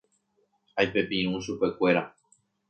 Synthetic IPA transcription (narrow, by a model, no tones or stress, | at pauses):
ajpe̞pĩɾ̃ũʃupe̞kʷe̞ɾa